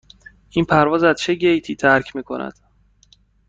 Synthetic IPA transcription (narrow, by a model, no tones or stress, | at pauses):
ʔiːnpʰæɾvɒːzæz̥t͡ʃʰeɟejt̪ʰiːt̪ʰæɾcʰmiːkʰo̞nʔæ̰d̪̥